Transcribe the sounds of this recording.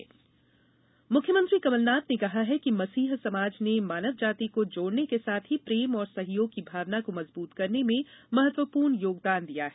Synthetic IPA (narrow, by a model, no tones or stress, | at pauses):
mʊkʰjəmə̃nt̪ɾikɐməlnaːt̪nekɐɦaɦɛkimɐsiːɦsɐmaːd͡ʒnemaːnəʋd͡ʒaːt̪ikod͡ʒoːɽnekesaːt̪ʰɦipɾeːmɔːɾsɐɦjoːɡ̚kibʱaːʋnakomɐzbuːt̪kɐɾnemẽmɐɦət̪wəpuːɾɳjoːɡ̚d̪aːnd̪ijaɦɛː